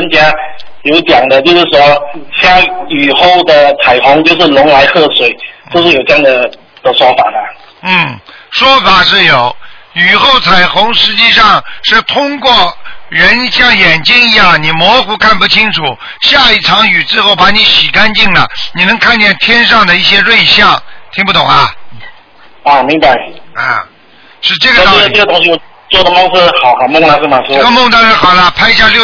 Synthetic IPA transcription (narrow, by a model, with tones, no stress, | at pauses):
ə˥nt͡ɕja˥ | jo˧˥ʊt̪jɑ˨˩ŋd̪ə˦t͡ɕjo˥˧ʊʂɻ̩˥˩ʂwɔ˥ɕa˥˩y˨˩xo˥˩ʊd̪ə˩t͡sʰa˨˩ɪxʊ˧˥ŋt͡ɕjo˥˧ʊʂɻ̩˥˩lʊ˧˥ŋla˧˥ɪxɤ˥˩ʂwe˨˩ɪo˥˧ʊʂɻ̩˥˩jo˨˩ʊʈ͡ʂɤ˥jɑ˥˩ŋd̪ə˩ | d̪ə˨˩ʂwɔ˥fa̰˨˩d̪ə˦ | n̩˥˩ʂwɔ˥fa˨˩ʂɻ̩˥˩jo˨˩˦ʊy˨˩xo˥˩ʊt͡sʰa˨˩ɪxʊ˧˥ŋʂɻ̩˧˥t͡ɕi˥˧ʂɑ˥˧ŋʂɻ̩˥˩t̪ʰʊ˥ŋkwɔ˥˩ɻə˧˥nɕjɑ˥˩ŋjɛ˨˩nt͡ɕi˥ŋi˧˥jɑ˥˩ŋni˨˩mwɔ˧˥xu˧˥kʰa˥˩npu˧˩t͡ɕʰi˥ŋʈ͡ʂʰu˨˩˦ | ɕja˥˧i˥˩ʈ͡ʂʰɑ˧˥ŋy˨˩ʈ͡ʂɻ̩˥xo˥˩ʊpa˧˥ni˧˥ɕi˨˩ka˥nt͡ɕi˥˩ŋlə̰˩ni˨˩nɤ˧˥ŋkʰa˥˧nt͡ɕjɛ˥˩nt̪ʰjɛ˥nʂɑ˥˩ŋd̪ə˩i˥˩ɕjɛ˥ɻwe˥˧ɪɕjɑ˥˩ŋt̪ʰi˧˥ŋp̬u˥˩t̪ʊ˨˩ŋɐ˧ | ɐ˧˩mi˧˥ŋba˧ɪɐ̰˥˧˩ | ʂɻ̩˥˧ʈ͡ʂɤ˥˩ɡə˩˧t̪ʈ͡ʂɤ˥˩ɡə˩t̪ɑ˥˧ʊɕi˥˩jo˨˩ | t͡swɔ˥˩d̪ə˩mɑ˥ʂ̩˥˩˥xɑ˨˩ʊxa˨˩mʊ˥˧ŋt̪ɑ˥ŋʂ̩˥˩mɐ˨ʂ̩˥ʈ͡ʂə˥˩ɡə˧mʊ˥˧ŋt̪ɑ˥ŋʂɻ̩˥˩xɑ˨˩lə˦pʰa˥ɪ˧ɕja˥˧ljo˥˧